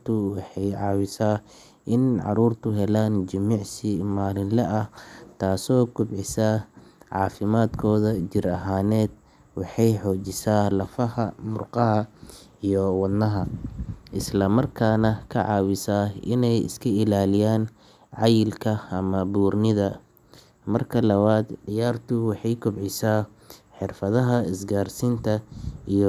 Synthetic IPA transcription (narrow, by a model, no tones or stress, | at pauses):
t̪ʰʊwɑħɑjʕɑːwɪsaː | ʔɪnʕɑ̰ɾuːrt̪ʰʊɦɛlaːnd͡ʒɐmiːʕsɪmaːlɪnlɛʔɐht̪ʰaːsɔːɡʊbʕɪsaʕɑ̰ːfɪmaːd̪kʰɔːðɐd͡ʒɪɾɐɦaːnɛːd̪̥ | wɑħɑjħɔːt͡ʃɪsaːlɐfɐhɐmʊrqɑɦɐijɔwɑd̪nɐɦɐʔɪslɐmɐrkʰaːnɐkʰɐʕɑːwɪsaːʔɪnɛjɪ̰skʰɐɪlaːlɪjaːn | ʕɑjɪlkʰɐɐmɐbuːrnɪðɐ | mɐrkʰɐlɐβaːd̪dɪjaːrt̪ʰʊwɑħɑjkʰʊbʕɪsaː | ħɪrfɐðɐɦɐɪsɡaːrsɪnt̪ʰɐij